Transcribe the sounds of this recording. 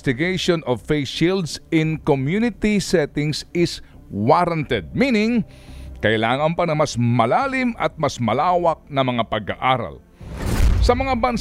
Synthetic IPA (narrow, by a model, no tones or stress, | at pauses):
st̪ɪɡejʃonʔɔvfejʃild̪sɪnkomjunɪt̪isɛt̪ɪŋsɪs | waɾɐnt̪ɛd̪̚miːnɪŋ | kɐʔɪlaːŋɐnpɐnɐmɐsmɐlaːlɪmʔɐt̪̚mɐsmɐlaːwɐk̚nɐmɐŋapɐɡaʔaːɾɐ̰l | sɐmɐŋabɐn